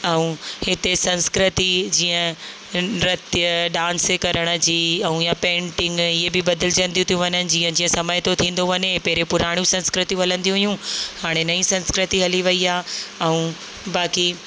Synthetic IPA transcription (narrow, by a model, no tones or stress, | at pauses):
ɛũːhɪt̪esɐ̃nskɾɪt̪id͡ʑiːə̃ | ɾɐt̪jəɖãːnskɐɾəɽ̃ə̆d͡ʑiːɛ̃ũjapẽːɳʈɪ̃ŋɡɪɦebɪbɐd̪ɪlɪd͡ʑə̃nd̪iũt̪ʰijũʋɐɲənɪ̆d͡ʑiːə̃d͡ʑiːə̃sɐməjt̪ʰot̪ʰĩːn̆d̪oʋɐɲepɛɦɾepʊɾaːɽ̃jũsɐ̃nskɾɪt̪iuɦɐlə̃nd̪iũɦijũhaːɽ̃enɐĩsɐ̃nskɾɪt̪iɦɐliʋɐiaːɛũː | baːki